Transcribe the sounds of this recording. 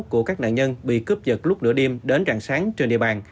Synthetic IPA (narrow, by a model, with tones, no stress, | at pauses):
ku˧˩əkaː˦˥k̚na̰ː˧˨nɲə˧nɓḭ˧˨kɨ˦˥p̚zə˨˩t̚lʊ˦˥k͡p̚nɨ̰˧˥əɗi˧əmɗe˨˦nzaː˧˩ŋsaː˨˦ŋt͡ɕe˧nɗḭ˧˨əɓaː˨˩n